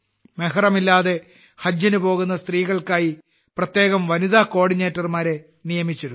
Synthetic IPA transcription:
meɦɐrɐmilːaːðe̞ | hɐd͡ʑːɐnɨpo̞ːɣunːɐst̪riːɣɐɭkaːji | prɐt̪je̞ːɣɐmʋɐniðaːko̞ːɽineːtːɐrmaːɾe̞ | nijɐmit͡ɕːɐɾu

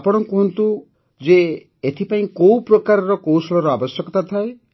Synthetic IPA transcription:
apɔɽ̃ɔŋkɔɦɔnt̪u | d͡ʒe | et̪ʰipaĩkowpɾɔkaɾɔɾɔkowsɔlɔɾɔabɔsjɔkɔt̪at̪ʰae

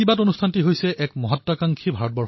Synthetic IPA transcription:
ibatonustʰantiɦojsɛʔɛkmɔɦɔtːakaŋkʰibʱaɹɔt̚bɔɹ

